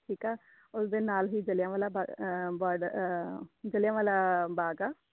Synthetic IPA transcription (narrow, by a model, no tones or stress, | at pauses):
ʈʰiːkaː | ʊsd̪eːnaːlɦiːd͡ʒəljãːʋaːlaːbabaːɖ | d͡ʒəljãːʋaːlaːbaːɡaː